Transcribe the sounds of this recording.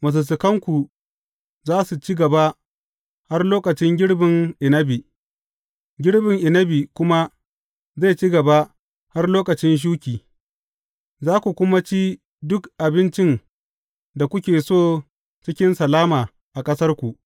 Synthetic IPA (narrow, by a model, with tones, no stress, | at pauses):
mɐ˨s̬ɐ˨s̬ɪ˨kɐ˦ŋkʷu˨ | zaː˦su˨t͡ʃi˦ɡɐ˨ba˦ | ha˦rloː˦kɐ˨t͡ʃɪ˦ŋɡʲɪ˦ɽbɪ˨ŋʔɪ˨nɐ˦bi˨ | ɡʲɪ˦ɽbɪ˨ŋʔɪ˨nɐ˦bi˨kʷʊ˦ma˦ | za˦˨t͡ʃi˦ɡɐ˨ba˦ | ha˦rloː˦kɐ˨t͡ʃɪ˦nʃ̬uː˦kʲiː˨ | zaː˦kʷu˨kʷʊ˦ma˦t͡ʃi˦ | dʊ˦kʔa˨bɪ˦nt͡ʃɪ˦n | da˨kʷʊ˦kʲeː˨soː˦˨ | t͡ʃɪ˦kʲɪ˦nsɐ˨laː˦maː˨ | ʔa˨kʼɐ˦sɐ˦rkʷu˨ʔ